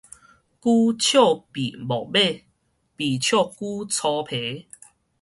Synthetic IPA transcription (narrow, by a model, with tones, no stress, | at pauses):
ku˦t͡ɕʰjo˥˨pi˨bɔ˨be˥˨ | pi˨˩t͡ɕʰjo˥˨ku˦t͡sʰɔ˧pʰe˨˦